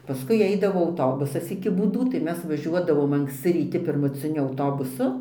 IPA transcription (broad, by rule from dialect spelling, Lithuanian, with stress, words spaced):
pɐˈskʊɪ ˈɐɪdɐʋoː ɐʊˈtoːbʊsɐs ɪkʲɪ buːˈduː tɐɪ ˈmʲɛs ʋɐˈʒʲuɔdɐʋoːm ɐŋksʲˈt͡sʲɪ rʲiːˈtʲɪ pʲɪrmʊt͡sʲɪˈnʲʊ ɐʊˈtoːbʊsʊ